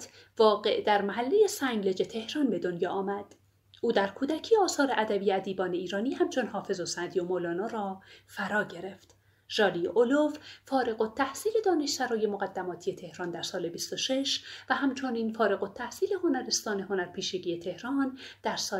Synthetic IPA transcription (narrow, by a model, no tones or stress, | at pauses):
t̪ʰ | vɒːɣe̞ʔd̪æɾmæɦælːeje̞sæŋɡled͡ʒe̞t̪ʰe̞hɾɒːnbe̞d̪onjɒːʔːmæd̪̥ | uːd̪æɾkʰuːd̪æcʰiːɒːsɒːɾeʔæd̪æbiːæd̪iːbɒːne̞iːɾɒːniːhæmt͡ʃʰo̞nhɒːfe̞zosænd̪ijomolɒːnɒːɾɒːfæɾɒːɟe̞ɾe̞ft̪ | ʒ̥ɒːliʔolovfɒːɾe̞ɣot̪ʰːæhsiːle̞d̪ɒːne̞ʃsæɾɒːje̞moɣæd̪ːæmɒːt̪ʰije̞t̪ʰe̞hɾɒːnd̪æɾsɒːle̞bist̪oʃe̞ʃvæɦæmt͡ʃʰoniːnfɒːɾe̞ɣo̞t̪ʰːæhsiːle̞honæɾe̞st̪ɒːne̞ɦho̞næɾpʰiːʃeɟiːjet̪ʰe̞hɾɒːnd̪̥æɾsɒː